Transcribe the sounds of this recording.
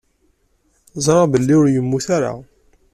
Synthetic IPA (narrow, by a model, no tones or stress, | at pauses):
zˤɾˤɑbəlːiʊɾjəmːuθaɾa̰